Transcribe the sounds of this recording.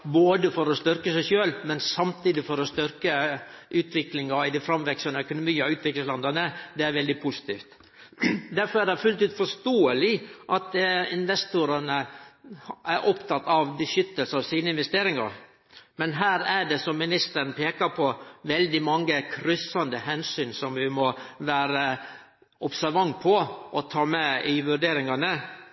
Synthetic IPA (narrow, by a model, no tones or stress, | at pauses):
boːd̪əfɔɾɔst̪ʏɾkəsæɪçøːlmɛnsɑmt̪ʰiːd̪ɪfɔɾɔst̪ʏɾkəʔʉːt̪ʰʋɪklɪŋɑɪd̪ɪfɾɑmʋɛksɑnəœkʊnʊmiːɑʉːt̪ʋɪkləslɑnd̪ɑnəd̪ɛæɾʋɛld̪ɪpʰʊsɪ̥t̪iːft̪ | d̪æɾfɔɾæɖɛfʉlt̪ʉːt̪fɔʂt̪oːəlɪʔɑt̪ɪnʋɛst̪ʊɾɑnə | æɾʔɔpt̪ʰɑt̪ːɑʋbəʂʏt̪ːəlsəɑʋsiːnəɪnʋɛst̪eːɾɪŋɑ̰ɾ | mɛnɦæːɾæɖɛsɔmːɪnɪst̪əɾnpʰeːkɑɾpʰɔʋɛld̪ɪmɑŋːəkʰɾʏsɑnd̪əhɛnsyːnsɔmʋɪmɔʋæːɾə | ʔɔpsæɾʋɑŋpʰɔʔɔt̪ʰɑːmɛɪʋʉɖeːɾɪŋɑnə